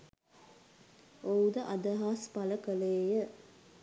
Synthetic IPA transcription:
oud̪əʔad̪əɦaːspaləkəleːjə

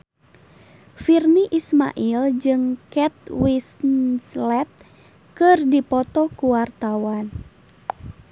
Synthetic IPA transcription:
firniʔisma̰ʔild͡ʒɨŋkɛt̪̚wisnslɛt̪̚ | kɨrdipɔt̪ɔkuwart̪awan

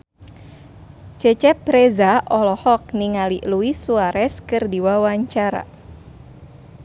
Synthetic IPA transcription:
t͡ʃɛt͡ʃɛpɾezaʔɔlɔhɔk̚niŋaliʔluisuaɾɛskɨrdiwawaɲt͡ʃaɾa̰

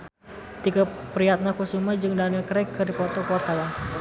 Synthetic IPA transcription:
t̪ikapɾiat̪̚nakusumad͡ʒɨŋdanakəɾɛkːəɾipɔt̪ɔkwart̪ala

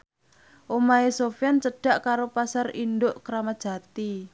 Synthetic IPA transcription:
ʔomaesofjant͡ʃəɖ̥a̤ʔkaɾopasarind̪oʔkɾamad̥ʒ̥ä̤t̪i

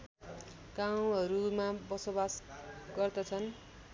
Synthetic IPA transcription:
ɡ̥aw̃ɦʌɾumabʌsobasɡ̥ʌrd̪ʌt͡sʰʌn

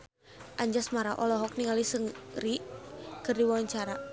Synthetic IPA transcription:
ʔaɲd͡ʒasmaɾaʔɔlɔɦɔk̚niŋalisəŋrikɨrdiwawaɲt͡ʃaɾa

